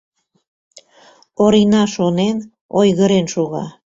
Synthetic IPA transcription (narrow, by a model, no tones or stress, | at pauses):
oɾinɑʃonen | ojɣəɾenʃoɣɑ̰